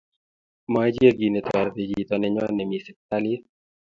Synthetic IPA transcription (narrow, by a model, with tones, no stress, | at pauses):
ma˦d͡ʒe˦ɡi˨nɛ˨t̪wa˨ɾt̪i˨d͡ʒi˨t̪ɔ˨nɛ˨ɲɔ˦nɛ˨mi˨sɛ˨k̚t̪a˦li˦